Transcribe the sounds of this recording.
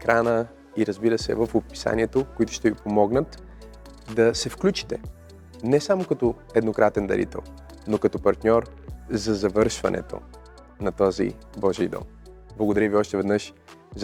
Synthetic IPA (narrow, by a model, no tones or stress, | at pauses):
ɛkɾanə | iɾəzbiɾəsɛ̰vəfopi̥sa̰niɛt̪okoit̪ʊʃt̪ɛvipomɔɡnət̪ | d̪ɐsɛfklʲut͡ʃi̥t̪ɛ | nɛsamokɐt̪ɔ | ɛd̪nokɾat̪ɛnd̪ɐ̰ɾʔḭt̪ɛ̰lˠ | nokɐt̪ɔpɐɾt̪nʲɔɾ | zɐzɐvɤɾʃvɐ̰nʔɛ̰t̪o̰ | nɐt̪ɔzḭbɔʒid̪ɔ̰m | blˠɐɡod̪ɐɾəviɔʃt̪ɛvɛd̪nəʃ | z